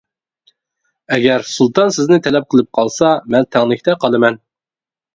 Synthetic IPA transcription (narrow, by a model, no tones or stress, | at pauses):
ɛɡʲɛɾsulˠt̪ɑnsɪznɪt̪ʰɛlɛp̚qʰəlˠɨp̚qʰɑlˠsɑmɛnt̪ʰɛŋlˠɪkʲt̪ʰɛqʰɑlˠɨmɛn